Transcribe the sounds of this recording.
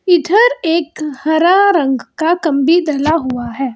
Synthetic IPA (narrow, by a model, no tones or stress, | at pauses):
ɪd̪ʱəɾeːkhɐɾaɾɐ̃ŋɡkakɐ̃mbid̪ɐlaɦʊaɦɛː